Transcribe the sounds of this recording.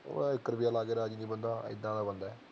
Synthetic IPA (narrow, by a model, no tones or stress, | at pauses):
o̰ːɪkːəɾbijaːlaːɡeːɾaːd͡ʒiniːbənd̪aːɪ̰d̪ãːd̪aːbənd̪aɛ